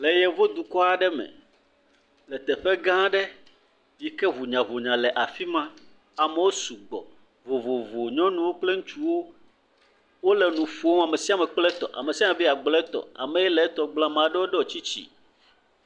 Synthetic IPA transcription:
lɛ˨jɛ˨vo˦d̪u˨kɔ˦a˨ɖɛ˦mɛ̰̃˨ | lɛ˨t̪ɛ˨ɸɛ˦ɡã˦ɖɛ˦ | ji˦kɛ˦vu˨ɲã˨vo˨ɲã˨lɛ˨ʔa˨fi˦mã˦ | a˨mɛ˦wo˦su˨ɡ͡bɔ̰˨ | vo˨vo˨vo˨ɲɔ̃˦nũ˦wo˦k͡ple˦ŋ̩˦t͡ʃu˦wo˦ | wo˦lɛ˨nũ˨fu˦o˦a˨me˨si˦a˨mɛ˨k͡plɛ˦t̪ɔ̰˨ʔa̰˨me˨si˦a˦mɛ˨bi˦a˨ɡ͡blɛ˦t̪ɔ̰˨a̰˨mɛ̃˨jɛ˦lɛ˨˦t̪ɔ˨ɡ͡blã˦mã˨ɖɛ˦wo˦ɖɛ˦wɔ˨t͡ɕi˦t͡ɕḭ˨

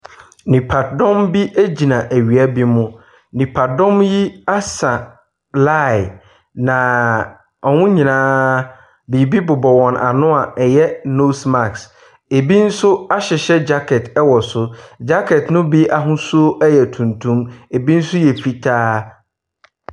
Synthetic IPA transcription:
nĩ˨pʰa˨tdɔ̃˦mbi˦ʔæ˦d͡ʑi˨nã˨ʔæ˨ɥi˨a˦bi˦mʊ̃˦ | nĩ˨pʰa˨dɔ̃˦mji˦a˦sã˨ | la˦˨ɪ˨ | nã˨ | ɔ˨nʊ̃˦ɲĩ˨nãː˦ | bi˨bi˦bʊ˨bɔ˨wɔ̃˨nʔa̰˨nʊ̃˦a˨ɛ˨jɛ˦no˦sma˨ks | e˨bi˦n̩˦sʊ˦a˦ɕɪ˨ɕɛ˦d͡ʑa˦kʰɛ˨tʰɛ˦wɔ˨sʊ˦d͡ʑa˦kʰɛ˨tnʊ̃˦bi˦ʔa˨ɦʊ̃˦su˦o˦ʔɛ˦jɛ˨tʰũ˨ntʰũ˦me˨bi˦n̩˦sʊ˦jɛ˨fi˦tʰaː˦

